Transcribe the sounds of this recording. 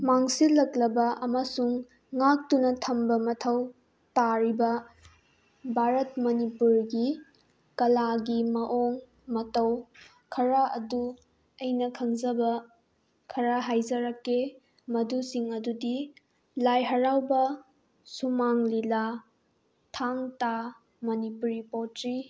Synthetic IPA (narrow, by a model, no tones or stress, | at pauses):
maŋsilɐklɐbɐʔɐmɐsuŋː | ak̚tunɐtʰɐmbɐmɐtʰɐw | taɾibɐ | bʱaɾɐt̚mɐnipuɾɡi | kɐlaɡimɐʔoŋ | mɐtɐw | kʰɐɾaʔɐdu | ɐjnɐkʰɐŋzɐbɐ | kʰɐɾaɦajzɐɾɐkːe | mɐdusiŋɐdudi | lajɦɐɾawbɐ | sumaŋlila | tʰaŋta | mɐnipuɾipotɾi